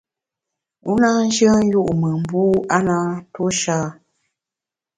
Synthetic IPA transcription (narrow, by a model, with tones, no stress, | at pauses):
u˦na˦n̩˦d͡ʒə˦n˦ju˦ʔmə˨m˨bu˦a˦na˦to˦ʃa˦˨